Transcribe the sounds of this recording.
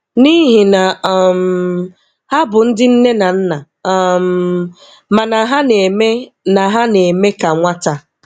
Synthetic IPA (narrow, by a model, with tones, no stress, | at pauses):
ni˦ɦi˨na˨m̩˨ | ha˦bʊ˨n̩˦dɪ˦n̩˦ne˦na˨n̩˦na˨ | m˦ | ma˨na˨ɦa˦ne˨me˦na˨ɦa˦ne˨me˦ka˨ŋʷa˦ta˨